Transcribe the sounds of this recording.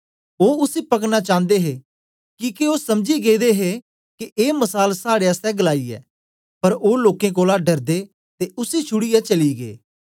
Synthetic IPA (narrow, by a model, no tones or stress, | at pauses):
oːʊsipɐknat͡ʃãːnd̪eɦeː | kiːkeoːsɐmd͡ʒiɡeːd̪eɦe | kieːməsaːlsaːɽeəst̪ɛ̃ɡəlaːiɛ̰ː | pɐɾoːloːkẽk̬oːlaɖɐɾd̪eː | t̪eʊsit͡ʃʰʊɽijat͡ʃɐliɡḛː